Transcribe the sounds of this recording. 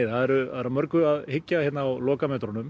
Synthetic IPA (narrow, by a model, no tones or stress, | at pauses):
θhaðɛɾʏaðɛɾamœɾkʏaðhɪcːajɛt̪nawlɔːkamɛt̪ɾɔnʏm